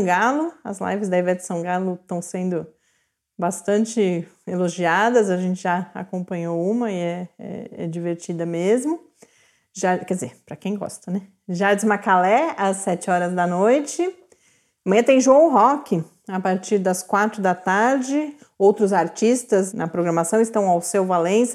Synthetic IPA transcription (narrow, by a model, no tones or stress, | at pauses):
ɡalʊɐ̰zla̰jvɪzd̪ɐevɛd͡ʒ̪ɪsɐ̃w̃ɡalʊt̪ɐ̃w̃sẽnd̪ʊ | bast̪ɐ̃nt͡ʃɪeloʒiad̪ɐzɐʒẽnt͡ʃɪʒaa̰kõmpɐ̃ɲowũmɐɪɛɛ̰ɛ̰d͡ʒiveɾt͡ʃid̪ɐmezmʊ | ʒakɛdd͡ʒɪzeɾpɾɐkẽj̃ɡɔ̰st̪ɐnɛ | ʒaɾd͡ʒɪzmakalɛɐsːɛt͡ʃɪɔɾɐzd̪ɐnojt͡ʃɪ | ɐmɐ̃j̃ɐ̃t̪ẽj̃ʒõʊɦɔkɪ | apaɾt͡ʃiɾd̪ɐskwat̪ɾʊd̪ɐt̪aɾd͡ʒɪ | owt̪ɾʊzaɾt͡ʃist̪ɐznɐpɾoɡɾɐmasɐ̃w̃ɪst̪ɐ̃w̃awsewvalẽs